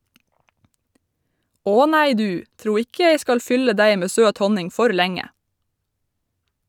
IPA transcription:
ˈoː ˈnæɪ ˈdʉː ˈtɾuː ˈɪkə ˈjeɪ ˈskɑl ˈfʏlə ˈdæɪ ˈmeː ˈsøːt ˈhɔnɪŋ ˈfɔɾ ˈlæŋə

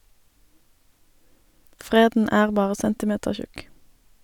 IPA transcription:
ˈfʁeːdn̩ ˈæːʁ ˈbɑːʁə ˈsɛntɪˌmeːtəʁˌçʉk

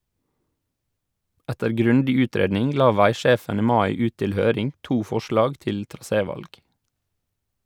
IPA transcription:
ˈɛtəɾ ˈɡɾʉndɪ ˈʉːˌtɾeːdnɪŋ ˈlɑː ˈʋæɪˌʃeːfən ˈiː ˈmɑɪ ˈʉːt ˈtɪl ˈhøːɾɪŋ ˈtuː ˈfɔʃlɑːɡ ˈtɪl tɾɑˈseːˌʋɑlɡ

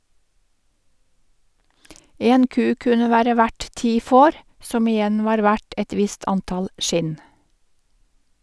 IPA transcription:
ˈeːn ˈkʉː ˈkʉnə ˈʋæːɾə ˈʋæʈ ˈtiː ˈfoːɾ ˈsɔm ɪˈjɛn ˈʋɑːɾ ˈʋæʈ ˈɛt ˈʋɪst ˈɑntɑl ˈʃɪn

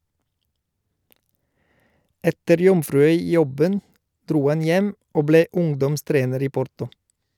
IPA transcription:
ˈɛtəɾ ˈjɔmfɾʉˌœʏˌjɔbən ˈdɾuː ˈɑn ˈjɛm ˈoː ˈbleː ˈʊŋdɔmˌstɾeːnəɾ ˈiː ˈpɔɾtɔ

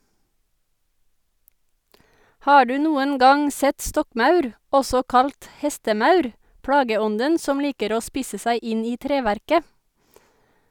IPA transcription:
ˈhɑː ˈɖʉː ˈnuːən ˈɡɑŋ ˈsɛt ˈstɔkˌmɑʉɾ ˈɔsɔ ˈkɑlt ˈhɛstəˌmɑʉɾ ˈpɽɑːɡəˌɔndən ˈsɔm ˈliːkəɾ ˈoː ˈspiːsə ˈsæɪ ˈɪn ˈiː ˈtɾeːʋæɾkə

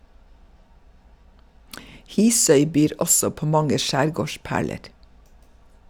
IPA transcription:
ˈhiːsœʏ ˈbyːɾ ˈʔɔsɔ ˈpoː ˈmɑŋə ˈʃæːɾˌɡoːˌʃpæːɭəɾ

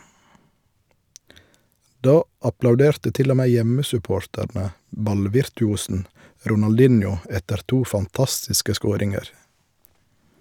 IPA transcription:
ˈdɑː ɑplɑʉˈdeːɾtə ˈtɪl ˈoː ˈmeː ˈjɛməsʉˌpoːɾtæɾnə ˈbɑlʋɪɾtʉˌuːsn̩ ɾʊnɑlˈdɪnjʊ ˈɛtəɾ ˈtuː fɑnˈtɑstɪskə ˈskoːɾɪŋəɾ

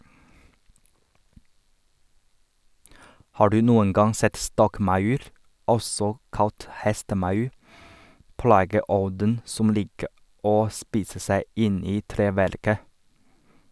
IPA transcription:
ˈhɑː ˈɖʉː ˈnuːən ˈɡɑŋ ˈsɛt ˈstɔkˌmɑʉɾ ˈɔsɔ ˈkɑlt ˈhɛstəˌmɑʉ ˈplɑːɡəˌɔdən ˈsʊm ˈliːkə ˈoː ˈspiːsə ˈsæɪ ˈʔɪn ˈiː ˈtɾeːʋæɾkə

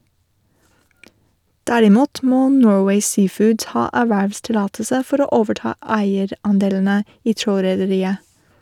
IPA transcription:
ˈdæɾɪˌmuːt ˈmoː ˈnoːɹweɪ ˈsiːˌfʊːd ˈhɑː ˈæːʋæʋstɪˌlɑːtəsə ˈfɔɾ ˈoː ˈoːʋəˌʈɑː ˈæɪəɾ ˈɑnˌdeːln̩ə ˈiː ˈtɾoːɾɛdəˌɾiːə

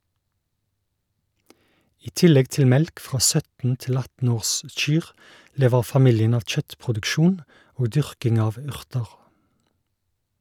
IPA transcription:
ˈiː ˈtɪlɛɡ ˈtɪl ˈmɛlk ˈfʁɑː ˈsœtn̩ ˈtɪl ˈɑtn̩ ˈoːʁˌsc͡çyːʁ ˈleːʋəʁ fɑˈmɪljən ˈɑʋ ˈc͡çœtpʁʊdʉkˌʃuːn ˈoːɡ ˈdʏʁkɪŋ ˈɑːʋ ˈʉʁtəʁ

